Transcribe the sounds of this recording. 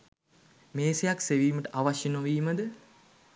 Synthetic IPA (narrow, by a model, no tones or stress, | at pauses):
meːsejakseʋiːməʈəʔaʋaʃjenoʋiːməd̪ə